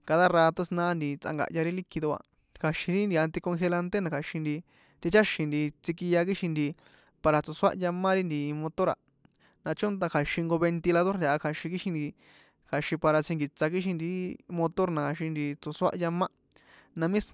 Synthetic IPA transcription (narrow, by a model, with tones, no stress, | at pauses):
ka˧ða˦raː˧t̪o˦snãː˦nd̪i˧t͡sa̰˧ŋɡa̰˨ʔja˧ɾi˦li˦ki˧ðo˧a̰˧ | kʰa˨ʃĩ˧ɾi˦nd̪i˧a˧nt̪i˧kõ˧ŋxe˧la˧nt̪e˦nã˧kʰa˨ʃĩ˧nd̪i˧ | t̪i˧t͡ʃa˦ʃĩ˧nd̪i˧t͡si˧ki˧ja˧k̬i˦ʃĩ˧nd̪i˧ | pa˧ɾa˧t͡su˨˧swa̰˦ʔja˧mã˦ɾi˦nd̪i˧mõ˧t̪o˦ɾa̰˨ | nã˧t͡ʃõ˦nt̪ã˧kʰa˨ʃĩ˧ŋɡo˧βe˧nt̪i˧la˧ðo˦ɾnd̪ʲa˧˨a˧kʰa˨ʃĩ˧ki˦ʃĩ˧nd̪i˧ | kʰa˨ʃĩ˧pa˧ɾa˧t͡sĩ˧ŋɡi˨t͡sa˧k̬i˦ʃ̬ĩ˧nd̪i˧mõ˧t̪o˦ɾnã˨ʃĩ˧nd̪i˧t͡so˧swa̰˦ʔja˧mã˦ | nã˧mĩ˦s